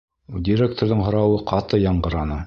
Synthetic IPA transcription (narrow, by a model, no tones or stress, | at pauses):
dʲiɾʲek̚t̪oɾðɤɴɦŏɾɑwɤqʰɑt̪ɤjɑɴɢɤ̆ɾɑnɤ